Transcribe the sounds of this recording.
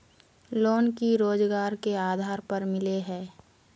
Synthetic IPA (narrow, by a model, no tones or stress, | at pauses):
loːnkiɾoːd͡ʒɡaːɾkeaːd̪ʱaːɾpəɾmɪleɦɛː